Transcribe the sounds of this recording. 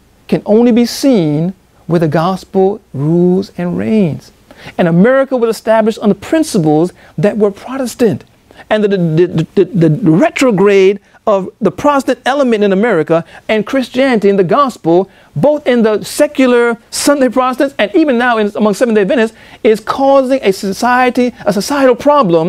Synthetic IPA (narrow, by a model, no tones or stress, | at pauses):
kʰɨ̃nʔõʊ̃nlibisĩn | wɨðɨɡɑspl̩ˠɹulˠzɨ̃nɹḛ̃ɪ̃nz̥ | ɨ̃nəmɛɹɨkəwəlˠəstæblɨʃn̩ðəpʰɹ̥ɪ̃nsəp̬l̩ˠz | ðɨt̚wə˞pʰɹ̥ɑɾɨstɨ̃nt | ɨ̃nðɨðɨɨðɨɹɛt͡ʃɹ̥əɡɹeɪɾ | ʌvðəpʰɹ̥ɑɾəstɨ̃ntɛlˠəmɨ̃ɾ̃tɨ̃nɨmɛɹɨkəɨ̃nkʰɹ̥ɪst͡ʃiænɨɾiɨ̃nðɨɡɑspl̩ˠ | boʊθɪ̃nðəsɛkjl̩ˠə˞sʌ̃ndeɪpʰɹ̥ɑɾəstɨ̃nsɨ̃nivɨ̃nːaʊɨ̃nəmʌ̃ŋsɛvn̩deɪvɪ̃ñɨs | ɪz̥kʰɔzɪ̃ŋʔɨsɨsaɪɨɾiəsɨsaɪɨɾl̩ˠpʰɹ̥ɑblə̃m